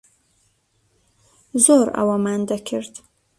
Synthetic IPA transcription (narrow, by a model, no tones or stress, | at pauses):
zoɾa̰wamand̪akʰiɾd̪